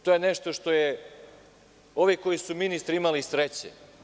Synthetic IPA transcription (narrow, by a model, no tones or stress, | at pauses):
t̪o̞jeneʃt̪o̞ʃt̪o̞je | o̞ʋiko̞jisuminist̪ɾimalisɾet͡ɕḛ